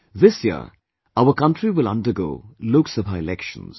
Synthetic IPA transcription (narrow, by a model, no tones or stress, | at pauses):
ðɪsjḭə̰ | aʊəkʌ̃ntɹiwɪlʌ̰̃ndəɡo̰ːloːksəvɦaɪɪlɛkʃə̰̃nz̥